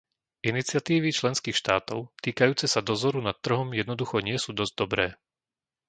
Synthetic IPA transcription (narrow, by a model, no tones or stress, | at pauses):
ʔinit͡sɪat̪iːʋit͡ʃlɛnskiːxʃt̪aːt̪ɔʊt̪iːkajuːt͡sɛsad̪ɔzɔɾunat̪ːr̩ɦɔmjɛd̪nɔd̪uxɔɲɪɛsuːd̪ɔzɟd̪ɔbɾɛː